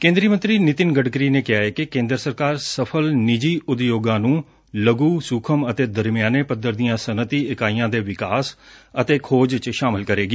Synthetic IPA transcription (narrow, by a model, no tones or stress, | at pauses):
kẽːnd̪ɾiːəmə̃nt̪ɾiːnɪt̪ɪnɡəɖɡɾiːneːkɪaːeːkɪkẽːnd̪ɾəsəɾkaːɾsəpʰəlnɪd͡ʒiːʔʊd̪joːɡãːnũː | ləɡuːsukʰəmət̪eːd̪əɾmɪjaːneːpəd̪əɾd̪ijãːsənət̪iːɪkaːijãːd̪eːʋɪkaːsət̪eːkʰoːd͡ʒt͡ʃʃaːmɪlkəɾeːɡiː